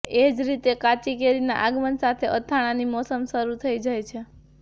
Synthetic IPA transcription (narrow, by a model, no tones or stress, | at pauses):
ed͡ʒɾit̪ekat͡ʃikeɾina̰ʔaɡmənsat̪ʰeʔət̪ʰːaɽ̃animɔsəmʃəɾut̪ʰəid͡ʒajt͡ʃʰe